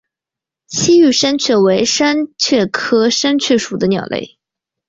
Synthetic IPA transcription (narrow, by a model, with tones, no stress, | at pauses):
t͡ɕʰi˥y˥˩ʂa˥nt͡ɕʰɥɛ˥˩we˧˥ɪʂa˥nt͡ɕʰɥɛ˥˩kʰɤ˥ʂa˥nt͡ɕʰɥɛ˥˩ʂu˨˩d̪ə˦njɑ̰˨˩ʊlʔḛ˥˩ɪ